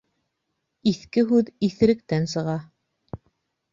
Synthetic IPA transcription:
iθkɘɦʉðiθɘ̆ɾɘ̆k̚t̪ænsɤ̆ʁɑ

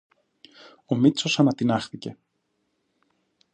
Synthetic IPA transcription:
o̞mit̪t͡so̞sɐnɐt̪inɐxθice̞

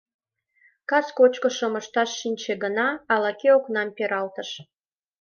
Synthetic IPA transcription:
kɑskot͡ɕkoʃoməʃt̪ɑʃːinʲt͡ɕeɡənɑːlɑkeoknɑmpeɾɑlt̪ə̆ʃ

